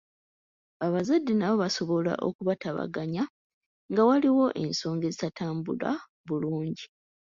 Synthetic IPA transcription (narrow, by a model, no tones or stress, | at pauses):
aβazadːenaβo̞βaso̞βo̞la̰ʔo̞̰kuβataβa̰ɡaɲa | ŋɡawaliwo̞ʔe̞nso̞ːŋɡe̞zitataːmbula̰ | βuluːɲɟi